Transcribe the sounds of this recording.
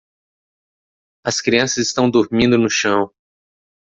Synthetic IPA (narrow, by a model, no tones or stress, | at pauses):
ɐskɾiɐ̃sɐzɪst̪ɐ̃w̃d̪oɾmĩnd̪ʊnʊʃɐ̃w̃